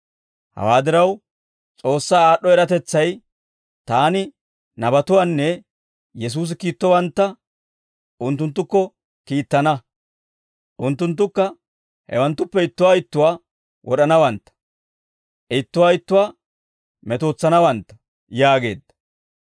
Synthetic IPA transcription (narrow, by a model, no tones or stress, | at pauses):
hɐ̰waːd̪ɪɾɐw | t͡sʼo̞ːsːaːaːɗːɔɛɾɐt̪ɛt͡sːɐj | t̪aːnɪ | nɐbɐt̪ʊwaːnːɛ | jɛs̬uːs̬ɪkiːt̪ːɔwɐnt̪ːɐ | ʔʊnt̪ːʊnt̪̬ːʊkːɔ | kiːt̪ːɐnɐ | ʔʊnt̪ːʊnt̪̬ːʊkːɐ | hɛ̰wɐnt̪ːʊpːɛɪt̪ːʊwaːɪt̪ːʊwaː | wʔɔɗɐnɐwɐnt̪ːɐ̥ | ʔɪt̪ːʊwaːɪt̪ːʊwaː | mɛt̪oːt͡sːɐnɐwɐnt̪ːɐ̥ | jaːɡe̞̰ːd̪ːɐ̥